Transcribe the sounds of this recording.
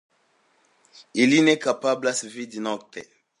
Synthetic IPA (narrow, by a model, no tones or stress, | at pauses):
ilinɛkapablasevid̪inɔk̚t̪ɛ